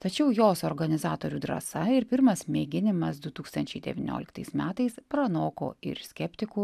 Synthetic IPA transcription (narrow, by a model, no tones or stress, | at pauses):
t̪ɐt͡ʃʲɛʊjoːsoɾɡɐnʲɪzɑːt̪oːɾʲuːd̪ɾɐ̰sɐɪɾpʲɪɾmɐsmʲeːɡʲɪnʲɪmɐsd̪ʊt̪uːkst̪ɐnʲt͡ʃʲɛɪd̪ʲɛ̰ʋʲɪnʲo̰ːlʲɪkt̪ɐɪsmʲæːt̪ɐɪspɾɐnoːko̰ːɪ̰ɾsʲkʲɛpʲt̪ʲɪkʊ